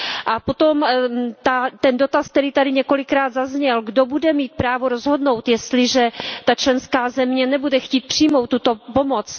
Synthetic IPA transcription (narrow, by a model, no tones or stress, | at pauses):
ʔapo̞t̪o̞mt̪at̪ɛndo̞t̪ask̚t̪ɛɾiːt̪adɪɲɛko̞lɪkɾaːd̪zazɲɛlɡdobudɛmiːt̪̚pɾaːvoɾozɦo̞dno̞wt̪jɛst̪lɪʒɛt̪at͡ʃlɛnskaːzɛmɲɛnɛbudɛxciːt̪̚pr̥ɪjmowt̪ːut̪o̞po̞mot͡s